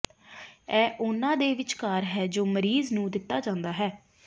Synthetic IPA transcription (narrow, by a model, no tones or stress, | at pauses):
ɛːʔʊnãːd̪eːʋɪt͡ʃkaːɾɦɛːd͡ʒoːməɾiːznũːd̪ɪt̪ːaːd͡ʒãːnd̪aːɦɛː